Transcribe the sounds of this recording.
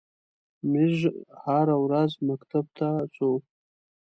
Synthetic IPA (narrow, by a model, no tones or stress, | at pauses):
mɪʒhaɾawɾazmakt̪ʰab̚t̪ʰat͡sʼo